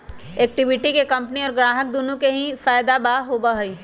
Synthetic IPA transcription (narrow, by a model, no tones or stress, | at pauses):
eːk̚ʈɪʋɪʈikekɐ̃mpniɔːɾɡɾaːɦək̚d̪unũkeɦĩfaːjd̪abaːɦoːbaɦoiː